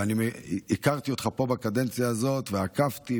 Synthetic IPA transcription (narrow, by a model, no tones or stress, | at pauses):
animeikaʁtio̞t̪χapo̞bakade̞nt͡sijaːzo̞t̪veakaft̪i